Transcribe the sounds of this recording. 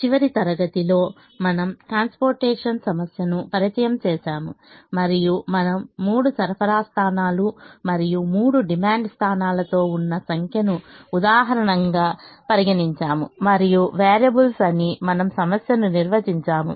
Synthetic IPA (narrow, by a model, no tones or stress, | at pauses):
t͡ʃiʋɐɾit̪ɐɾɐɡɐt̪ilo̞ː | mɐnɐmʈɾaːnspoːɾʈɛːʂɐnsɐmɐsjɐnupɐɾit͡ʃɐjɐmt͡ʃɛːʃaːmumɐɾijumɐnɐmːuːɽusɐɾpʰɐɾaːst̪ʰaːnaːlumɐɾijumuːɽuɖimaːɳɖst̪ʰaːnaːlɐt̪o̞ːunːɐsɐŋkʰjɐnuːd̪aːɦɐɾɐɳɐŋɡaːpɐɾiɡɐniɲt͡ʃaːmumɐɾijuʋeːɾjɐbulsɐnimɐnɐmsɐmɐsjɐnuniɾʋɐd͡ʒiɲt͡ʃaːmṵ